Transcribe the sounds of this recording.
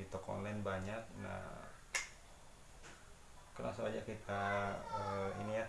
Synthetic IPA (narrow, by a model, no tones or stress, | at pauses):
it̪ɔkɔ̰nlaɪnbaɲak̚na̰h | kəna̰soad͡ʒakit̪ʰaəḭnija